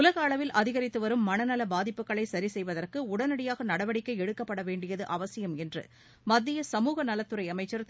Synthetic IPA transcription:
ʊlɐɣɐːɭɐʋɪlʔɐðɪɣɐɾɪt̪ːɯʋɐɾɯmːɐnɐnɐlɐbaːðɪpːɯkːɐɭɐɪsɐɾisɛjʋɐðɐrkɯʊɽɐnɐɽɪjaːɣɐnɐɽɐʋɐɽɪkːɐɪɛɽɯkːɐpːɐɽɐʋeːɳɖɪjɐðɯʔɐʋɐsɪjɐmɛndrɯ̰ | mɐd̪ːɪjɐsɐmuːɣɐnɐlɐt̪ːɯɾɐɪɐmɐɪt͡ʃːɐɾ

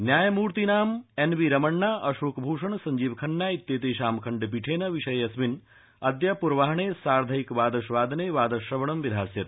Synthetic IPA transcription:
njaːjɐmuːɾt̪inaːmenʋiɾɐmɐɳːaːʔɐʃoːkbʱuːʂɐɳsɐɲd͡ʒiːʋkʰɐnːaːit̪jeːt̪eːʃaːmkʰɐɳɖp̬iʈʰeːnɐʋiʂɐjɐsmin | ɐd̪japuɾʋaːɦɐɳeːsaːɾd̪ʱɐikʋaːd̪ɐʃʋaːd̪ʱneːʋaːd̪ɐʃɾɐʋɐɳɐmʋid̪ʱaːsjɐt̪

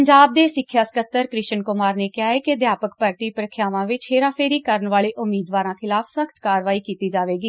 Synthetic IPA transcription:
əɲd͡ʒaːb̚d̪eːsɪkʰːjaːskət̪ːəɾkɾɪʃənkʊmaːɾneːkɪaːeːked̪jaːpəkpəɾt̪iːpɾəkʰjaːʋãːʋɪt͡ʃɦeːɾãːpʰeːɾiːkəɾənʋaːɭeːʔʊmːiːd̪ʋaːɾãːkʰɪlaːpʰsəkʰt̪kaːɾʋaːiːkiːt̪iːd͡ʒaːʋeːɡiː

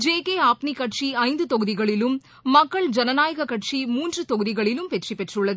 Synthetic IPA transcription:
d͡ʒeːkeːaːpnikɐʈʂiɐɪnd̪ɯt̪ɔɣɯðɪɣɐɭɪlɯmː | ɐkːɐɭd͡ʒɐnɐnaːjɐɣɐkɐʈt͡ʃimuːndrɯt̪ɔɣɯðɪɣɐɭɪlɯmpɛʈripɛʈrɯɭːɐðɯ

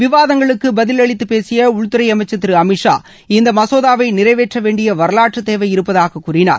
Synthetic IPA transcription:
ʋɪʋaːðɐŋɡɐɭɯkːɯbɐðɪlɐɭɪt̪ːɯpeːsɪjɐʊɻt̪ːɯɾɐɪɐmɐɪt͡ʃːɐt̪ːɪɾɯɐmɪʂa̰ː | ɪnd̪ɐmɐsoːðaːʋɐɪnɪɾɐɪʋeːʈrɐʋeːɳɖɪjɐʋɐɾɐlaːʈrɯt̪ːeːʋɐjɪɾɯpːɐðaːɣɐkːuːrɪna̰ːɾ

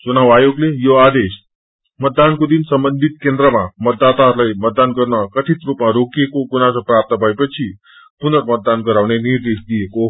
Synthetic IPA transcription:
t͡ʃunaʋajoɡlejoad̪eʃ | mət̪̚d̪ankud̪insəmbənd̪ʱit̪̚kẽnd̪ɾəmãmət̪̚ːat̪aɾləjmət̪̚d̪ankəɾnakəʈʰit̪ɾupmãɾokiekoɡunasopɾap̚t̪əbʱajpət͡ʃʰi | punəɾmət̪̚d̪ankəɾaʋneniɾd̪eʃd̪ieko

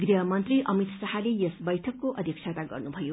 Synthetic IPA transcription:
ɡɾiɦʌmʌnt̪rɾiʔʌmit̪sʌɦalejʌsbʌjʈʰʌkːoʔʌd̪ʱjʌkt͡ʃʰat̪aɡʌ̰rnubʱʌjo

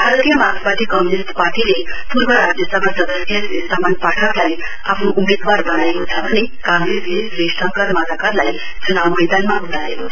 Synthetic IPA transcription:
bʱaɾt̪ijəmakpat̪ʰikəmjunist̪paɾʈilepuɾbʱəɾad͡zjəsəbʱasʌd̪əsjəssamanpaʈʰaklai | apʰnoʔumed̪waɾbəɽ̃ajɦot͡sʰabʱʌñekãŋɡɾeslisɾesʈʰəŋkəɾmalakaɾlai | t͡sunawmed̪anmaɦuʈajeɦo

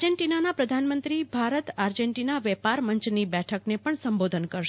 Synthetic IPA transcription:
d͡ʒeɳʈinanapɾəd̪ʱanmənt̪ɾibʱaɾət̪aɾd͡ʒeɳʈinaʋɛpaɾməɲt͡ʃnibɛʈʰəknepəɳsəmbod̪ʱənkəɾʃ

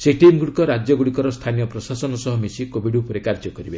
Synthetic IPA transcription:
seʈimɡuɽikɔɾad͡ʒjɔɡuɽikɔɾɔst̪ʰanijɔpɾɔsasɔnɔsɔɦɔmesikobiɖupuɾekaɾd͡ʒɔkɔɾibe

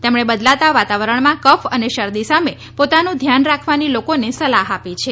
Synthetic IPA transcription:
t̪emɳ̃ebəd̪lat̪aʋat̪aʋəɾəɳmãkəfəneʃəɾd̪isame | pot̪anũd̪ʱjanɾakʰʋanilokonesəlaɦapit͡ʃʰe

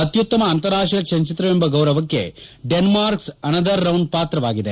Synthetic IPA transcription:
ɐt̪jut̪ːɐmɐːnt̪ɐɾaːʂɐkʃɐɲt͡ʃit̪ɾɐmembɐɡɐwɾɐʋɐkːe̞̰ɖenmaːɾksɐnɐd̪ɐɾːɐwɳɖ̚paːt̪ɾɐʋaːɡid̪e

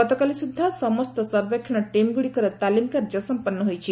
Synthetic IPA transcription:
pət̪ɔkalisud̪ʱːasəməst̪əsəɾbekʰːñaʈemɡuɽikɐɾət̪ːalimkaɾd͡ʒəsəmpənːəɦojt͡ʃʰi

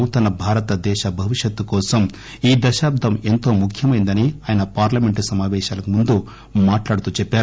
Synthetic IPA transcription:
t̪ɐnɐbʱaːɾɐt̪ɐd̪ɛːʃɐbʱɐʋiʂjɐt̪ːukɔːsɐm | iːd̪ɐʃaːb̚d̪ʱɐment̪o̞ːmukʰjɐmɐjind̪ɐniaːjɐnɐpaːɾlɐmeɳʈusɐmaːʋɛːʃaːlɐkumund̪u | maːʈlaːɽut̪uːt͡ʃɛpːaːɾu

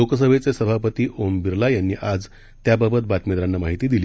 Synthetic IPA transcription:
lokəs̬əʋʱet͡sesəbʱapət̪iːʔombiɾlajanːiːʔad͡z | t̪jababət̪bat̪med̪ɾanːamaɦit̪iːd̪iliː

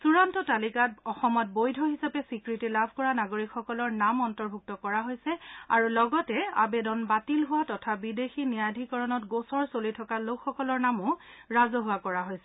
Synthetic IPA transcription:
suɹantɔtalikatɔxɔmɔt̚bojdʱɔɦisapɛsikɹitilabʱkɔɹanaɡoɹikxɔkɔlɔɹnamɔntɔɹbʱuk̚tɔkɔɹaɦojsɛa̰ɹulɔɡɔtɛa̰bedɔnbatilɦʊwatɔtʰabidexinijadʱikɔɹɔnɔt̚ɡosɔɹsolitʰɔkalokʰxɔkɔlɔɹnamʊɹazɔɦʊwakɔɹaɦojsɛ

